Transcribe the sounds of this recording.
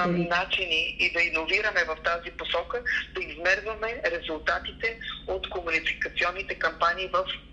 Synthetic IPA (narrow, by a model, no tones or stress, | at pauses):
nat͡ʃiniid̪ɐinoviɾɐmɛvɐft̪aziposɔkəd̪̥ɐizmɛɾvɐmɛɾɛzulˠt̪at̪it̪ɛot̪komunikɐt̪siɔnːit̪ɛkɐmpaniːvɐf